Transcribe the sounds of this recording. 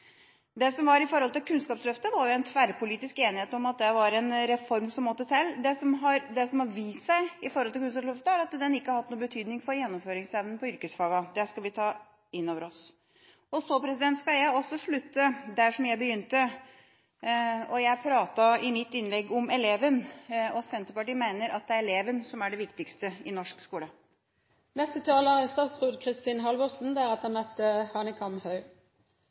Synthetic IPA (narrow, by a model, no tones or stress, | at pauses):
d̪ɛsɔmʋɑɾɪfɔɾhɔlt̪ɪlkʰʉnskɑːpslœft̪əʋɑɾjʊɛnt̪ʰʋæɾpʰʊliːt̪ɪskeːnɪheːt̪ɔmɑt̪̚d̪ɛʋɑɾɛnɾɛfɔɾmsɔmːɔt̪ːət̪ʰɛlːd̪ɛsɔmɦɑɾd̪ɛsɔmhɑɾʋiːssæɪɪfɔɾɔlt̪ɪlkʉnskɑpslœft̪əæɾɑt̪d̪ɛnɪkːəhɑɾhɑt̪nuːəbət̪ʰyːd̪nɪŋfɔɾjɛnːɔmføːɾɪŋsɛʋnənpʰɔʏɾkəsfɑːɡɑd̪ɛskɑlʋɪt̪ʰɑː | ɪnːoːʋəɾɔs | ɔsɔpʰɾɛsɪd̪ɛnt̪skɑjæɔsːɔʂɭʉt̪ːəd̪æʂɔmjæɪbəjʏnt̪ə | ɔjæɪpʰɾɑːt̪ɑɪmɪt̪ːɪnlɛɡːɔmɛleːʋənɔsɛnt̪əɾpɑʈiːmæɪnəɾʔɑt̪̚d̪ɛæɾɛleːʋənsɔmæɖɛʋɪkt̪ɪkst̪əɪnɔʂkskuːlə | nɛst̪ət̪ʰɑːləʁɛnst̪ɑːt̪sʁʉːd̪kʰʁɪst̪iːnɦɑlʋɔsn̩d̪æʁɑt̪ɛmœt̪ːəhɑːnəkʰɑmhœʏ